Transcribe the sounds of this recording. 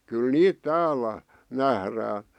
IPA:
kyl niːt tæːlæ næhræː

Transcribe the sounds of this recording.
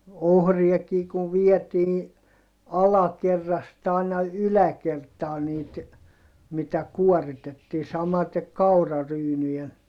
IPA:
ohriɑkiː kuʋ ʋiɛtiː ɑlɑkerːɑst ɑˑinɑ ylækertɑː niːt mitæ kuoritetːiː sɑmɑtek kɑurɑryːnyjen

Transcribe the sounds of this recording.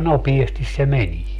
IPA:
nopiestis se menie

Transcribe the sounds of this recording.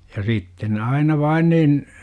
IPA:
jɑ sitːen ne ɑinɑ ʋɑin nin

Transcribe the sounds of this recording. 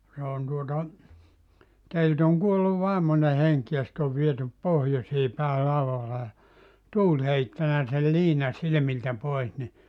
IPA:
se on tuotɑ teilt oŋ kuolːu ʋɑˑemone heŋk jɑ sĭt oʋ ʋietyp pohjosiː pæi lɑuʋɑlːɑ jɑ tuːlʲ heitːænæ sel liːnɑ silĭmiltæ pois ni

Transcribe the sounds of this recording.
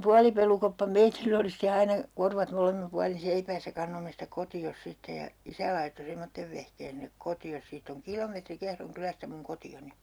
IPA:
puɑlipelukopːɑ meitilː oli ste ɑinɑ korʋɑt molemːim puɑlin̞ seipæːsːæ kɑnːomːe sitæ kotios sitːe jɑ isæ lɑitːo semːotːeʋ ʋehkeːn sinek kotios siːtː oŋ kilometri kehroŋ kylæstæ muŋ kotioni

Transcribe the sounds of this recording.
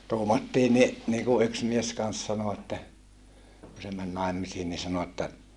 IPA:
tuːmɑtːiː ni niːku yks mies kɑns sɑno etːæ ku se mæn nɑˑemːisiːn ni sɑno etːæ

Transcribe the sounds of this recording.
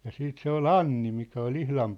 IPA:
jɑ siːt se ol ɑnːi mikæ ol ihlɑm

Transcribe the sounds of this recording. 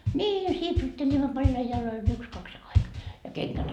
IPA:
nʲiː sipsutːelʲimːo pɑljɑi jɑloi yks kɑks ɑi jɑ keŋkæt

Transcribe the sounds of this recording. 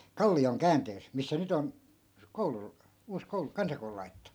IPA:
kɑlːioŋ kæːnteːs misːæ nyt on koulu uːs koulu kɑnsɑkoulu lɑi̯tĕtːu

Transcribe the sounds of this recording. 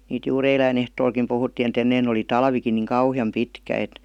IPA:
niːt juːr eilæin ehtoːlkim puhutːiˑn et enːein oli tɑlʋikin niˑŋ kɑuhiɑm pitkæ et

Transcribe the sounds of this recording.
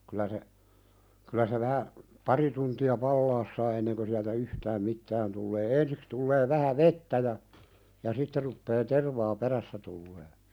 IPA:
kylæ se kylæ se ʋæhæ pɑri tuntiɑ pɑlːɑːs sɑː enːeŋkø siæltæ yhtæːm mitːæːn tulːeː ensiks tulːeː ʋæhæ ʋetːæ jɑ jɑ sitːe rupːeː terʋɑː peræsːæ tulːeː

